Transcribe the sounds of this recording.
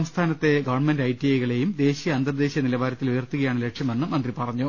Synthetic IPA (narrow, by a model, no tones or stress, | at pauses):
ɐmst̪ʰaːnɐt̪ːe̞ɡɐʋɐɳmendɐjtːiejɣɐɭe̞jumd̪e̞ːɕijɐɐnd̪ɐrd̪e̞ːɕjɐnilɐbaːɾɐt̪ːilujɐrt̪ːuɣɐjaːɳɨle̞kʂjɐme̞nːɨmɐnd̪ripɐrɐɲːu